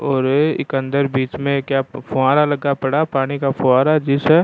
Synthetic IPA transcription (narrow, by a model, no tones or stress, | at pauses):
ɔːɾɪ̰kə̃nd̪əɾbiːt͡ʃmẽkjaːpʰʊãːɾalɐɡapɐɽapaːɽ̃ikapʰʊaːɾad͡ʒɪsɦɛː